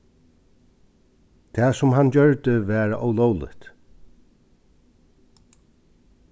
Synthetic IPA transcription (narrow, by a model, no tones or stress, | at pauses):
t̪ʰɛːsʊmɦand͡ʒœɹt̪əʋæːɾaʔowlɔːwlɪ̰ht̪